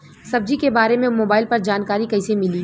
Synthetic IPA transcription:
sɐb̚d͡ʒikebaːɾemẽmoːbaːɪlpɐɾd͡ʒaːnkaːɾikɐɪsemɪliː

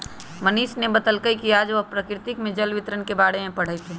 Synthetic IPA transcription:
məniːʃnebət̪əlkəikiad͡ʒʋopɾəkɾɪt̪ɪkmẽd͡ʒəlʋɪt̪ɾənkebaːɽemẽpɐɽ̤əit̪ʰe

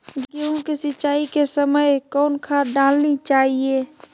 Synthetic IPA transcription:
ɡɡeũkisɪt͡ʃaːikesəməjkɔːnkʰad̪aːlnit͡ʃaːɦie

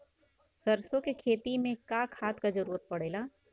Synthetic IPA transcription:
sɐɾsõkekʰeːt̪imẽkaːkʰaːt̪kad͡ʒɐɾuːɾət̪̚pɐɽ̤eːlaː

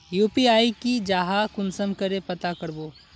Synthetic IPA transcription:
juːpiaːikid͡ʒaːɦakʊnsəmkəɾepɐt̪akəɾboː

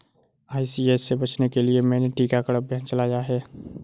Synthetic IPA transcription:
aːisieːsːebɐt͡ʃnekeliemɛ̃ːneʈiːkakəɽəbʱjãːt͡ʃɐlaːjaɦɛː

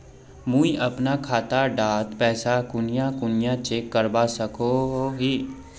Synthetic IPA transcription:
mũːiʔɐpnakʰaːt̪aɖaːt̪pɛːsakʊnɪjãkʊnɪjãt͡ʃeːkːəɾbasɐkoɦoɦiː

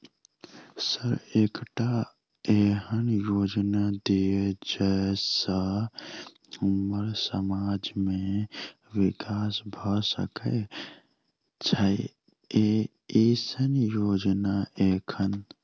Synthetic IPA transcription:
səɾeːkʈa | eɦənjoːd͡ʒnad̪ijed͡ʒasə | uməɾsəmaːd͡ʒmẽ | ʋɪkaːsbʱɔsə̰kɛ | t͡ʃʰəɪ | e | isənjoːd͡ʒnaeːkʰən

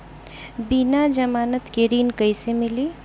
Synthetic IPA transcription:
binad͡ʒəmaːnət̪keɾinkəjsemili

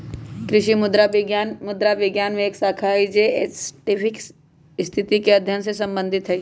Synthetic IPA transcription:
kɾɪʃimʊd̪ɾajanmʊd̪ɾaʋɪɡjaːnmẽːksaːkʰaid͡ʒeʈɪpʰɪks | st̪ʰɪt̪ikeɐd̪ʱjənsesɐ̃mbə̃nd̪ʱɪt̪ɦɛ

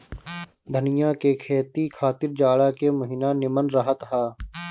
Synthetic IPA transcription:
d̪ʱənɪjakekʰeːt̪ikʰaːt̪ɪɾd͡ʒaːɽakemʊɦɪnanɪmənɾəɦət̪ɦaː

